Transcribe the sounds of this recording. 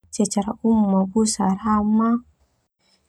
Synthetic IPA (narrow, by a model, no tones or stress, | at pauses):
t͡ʃat͡ʃaɾaumːabusaɾama